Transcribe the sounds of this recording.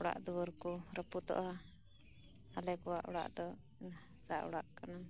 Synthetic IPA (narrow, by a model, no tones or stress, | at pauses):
ɔɽa̰ʔd̪uwəɾkuɾəput̪ɔ̰ʔa | halɛkɔwaʔɔɽa̰ʔd̪ɔ | saʔɔ̰ɽaʔkana